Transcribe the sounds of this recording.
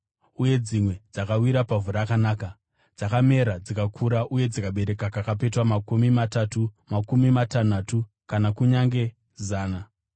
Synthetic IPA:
uje̞d͡zimwe̞d͡zakawiɾapavuɾakanaːka | d͡zakame̞ɾad͡zikakʰuɾaʔuje̞d͡zikaɓe̞ɾe̞kakakap̬e̞twamakumimatatumakumimatanatu | kanakuɲaŋɡe̞ | zaːna

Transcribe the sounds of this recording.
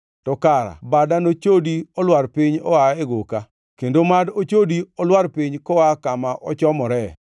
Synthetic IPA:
tɔkaɾa̰badanot͡ʃodiɔlwaɾpiɲɔaɛɡoka | kendomadot͡ʃodiɔlwaɾpiɲkɔakamaʔɔt͡ʃɔmɔɾɛ

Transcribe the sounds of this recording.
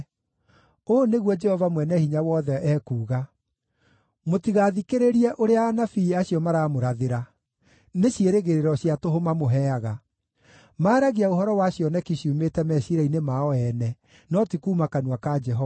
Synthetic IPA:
oːneɣwɔd͡ʒɛhɔvamwɛnɛhiɲawɔðɛʔɛːkuːɣa | motiɣaðikeɾeɾiɛʔoɾeaːnafiːaɕiɔmaɾaːmoɾaðeɾa | neɕjeɾeɣeɾeɾɔɕiatoɦomamoɦɛaɣa | maːɾaɣiaohɔɾɔwaɕiɔnɛkiɕumetɛmɛɕiɾainemaɔɛnɛ | nɔtikuːmakanwakad͡ʒɛɦɔa

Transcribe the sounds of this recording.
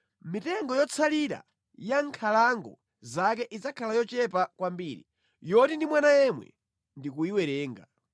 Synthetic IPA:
mitɛŋɡɔjɔt͡sʰaliɾa̰ | jaŋkʰalaŋɡɔ̰ | zakɛʔizakʰalajɔt͡ʃɛp̬akwambiɾḭ | jɔtindimwanajɛmwɛ̰ | ndikuiwɛɾɛːŋɡa̰

